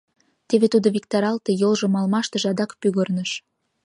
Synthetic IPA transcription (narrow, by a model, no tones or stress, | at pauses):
t̪eβet̪ud̪oβik̚t̪ɑɾɑlt̪ejolʒŏmɑlmɑʃt̪ə̆ʒɑd̪ɑkpyɣərnəʃ